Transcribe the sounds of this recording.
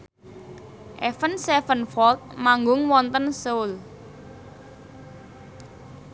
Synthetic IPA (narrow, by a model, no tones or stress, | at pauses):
ʔɛfənsɛfənfɔlt̪̚maŋɡʊŋwɔnt̪ənsoʊl